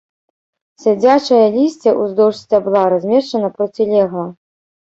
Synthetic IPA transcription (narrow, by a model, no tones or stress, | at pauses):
sʲad͡zʲat͡ʂɐjɐlʲisʲt͡sʲɛʔuzd̪ɔwʂsʲt͡sʲabɨlˠaɾazʲmʲɛʂt͡ʂɐnɐpɾɔt͡sʲilʲɛɣɐ